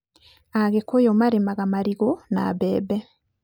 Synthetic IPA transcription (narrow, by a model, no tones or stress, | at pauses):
aɣekojomaɾemaɣamaɾiɣona̰bɛbɛ